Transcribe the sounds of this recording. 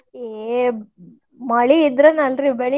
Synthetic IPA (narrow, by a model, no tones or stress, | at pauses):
e | mɐɭiːd̪ɾɐnɐlɾibeɭi